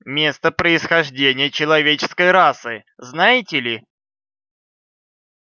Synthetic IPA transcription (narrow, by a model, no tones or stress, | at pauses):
mʲe̞st̪əpɾəɪsxɐʐdʲenʲɪjət͡ɕɪlˠɐvʲet͡ɕɪ̥skəjɾasɨ | znajɪtʲɪlʲɪ